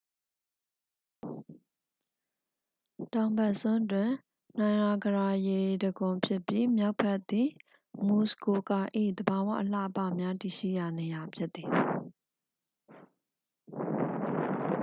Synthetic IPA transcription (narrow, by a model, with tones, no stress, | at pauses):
tã˨ʊ̃mbɛ˦˨ʔsʊ̃˦ntwɪ̃˨ | n̥ã˨ɪ̃ʔa˨ɡəɹa˨je˨dəɡʊ̃˨pʰjɪ˦ʔpji˦mja˦ʊpʰːɛ˦˨ʔt̪i˨ | mu˨sko˨ka˨ʔḭ˦˨d̪əba˨wä̰˦˨ʔəl̥a̰˦˨ʔəpa̰˦˨mja˦ti˨ʃḭ˦˨ja˨ne˨ja˨pʰjɪ˦t̪ːi˨